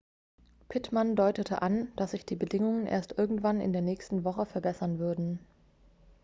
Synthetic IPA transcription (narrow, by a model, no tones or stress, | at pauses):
pʰɪtmandɔʏtətʰəʔand̥asz̥ɪçd̥iːbədɪŋʊŋənʔḛːɐstʔɪɐɡŋ̩tv̥anɪ̰ndeːɐnɛːçstn̩vɔχəfɛɐbɛsɐnvʏɐdn̩